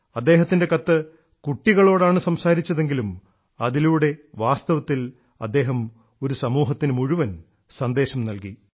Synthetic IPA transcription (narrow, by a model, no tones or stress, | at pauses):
ɐd̪ːe̞ːɦɐt̪ːinde̞kɐt̪ːɨ | kuʈːiɣɐɭo̞ːɽaːɳɨsɐmsaːɾit͡ɕːɐðe̞ŋɡilum | ɐðiluːɽe̞ʋaːst̪ɐʋɐt̪ːil | ɐ̰d̪ːe̞ːɦɐm | o̞ɾusɐmuːɦɐt̪ːinɨmuɻuʋɐn | sɐnd̪e̞ːɕɐmnɐlki